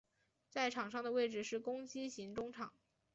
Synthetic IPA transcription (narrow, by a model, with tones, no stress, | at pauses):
t͡sa˥˩ɪʈ͡ʂʰɑ˨˩ŋʂɑ˥˩ŋd̪ə˩we˥˧ɪʈ͡ʂɻ̩˨˩ʂɻ̩˥˩kʊ˥ŋt͡ɕi˥ɕi˧˥ŋʈ͡ʂʊ˥ŋʈ͡ʂʰɑ˨˩˦ŋ